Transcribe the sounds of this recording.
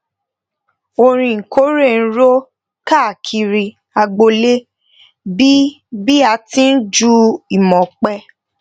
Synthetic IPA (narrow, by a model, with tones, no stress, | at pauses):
o˧ɾ̃ĩ˧˨ŋ̩˨ko˨˦ɾe˦˨n̩˦ɾo˦ | ka˦˨kʰi˧ɾi˧ | a˧ɡ͡bo˧le˦ | bi˦ | bi˦a˧tĩ˦n̩˦d͡ʒu˦i˨mɔ̃˨k͡pɛ˧